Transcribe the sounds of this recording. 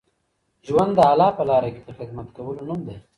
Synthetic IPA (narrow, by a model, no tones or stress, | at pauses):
ʒwand̪ːəalɑpəlɑɾake̥d̪əxɪd̪mat̪kawəlonumd̪e